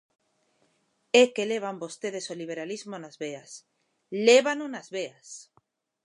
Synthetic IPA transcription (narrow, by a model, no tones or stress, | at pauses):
ekeleβ̞ambost̪eðesoliβ̞eɾalizmonazβeas | leβ̞anonazβeas